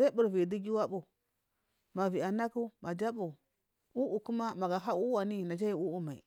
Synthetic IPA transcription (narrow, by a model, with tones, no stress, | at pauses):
a˦bu˨ɾvi˨di˦ɡi˦wa˦bu˨ | ma˨vi˨a˨na˦ku˦ma˨d͡ʒa˦bu˨ | u˦ʔu˨ku˦ma˦ma˨ɡa˨ɦa˦u˦wa˨ni˦˨na˨d͡ʒa˦ji˦˨u˦u˦ma˨ḭ˨